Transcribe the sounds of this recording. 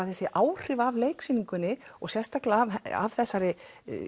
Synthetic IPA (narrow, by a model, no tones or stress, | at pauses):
aθɛsɪʔaːwr̥ɪvavleːjksiniŋkʏnːɪɔɣsjɛnst̪aklava̰vθɛsːaɾɪ